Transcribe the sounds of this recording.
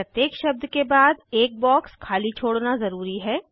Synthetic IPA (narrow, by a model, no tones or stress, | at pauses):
ɾɐt̪jeːkʃɐb̚d̪ʱkebaːd̪eːk̚bɔːkskʰaːlit͡ʃʰoːɽnazɐɾuːɾiɦɛː